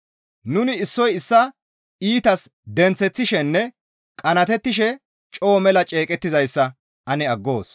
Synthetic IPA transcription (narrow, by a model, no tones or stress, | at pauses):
nʊnɪɪsːɔjɪsːɐ | iːt̪ɐs | d̪ɛnt͡sːɛt͡sːɪʃɛnːɛ | kʼɐnɐt̪ɛt̪ːɪʃ̬ɛ | t͡ʃʼoːmɛlɐt͡ʃʼe̞ːkʼɛt̪ːɪzɐjsːɐ | ʔɐnɛɐɡːoːs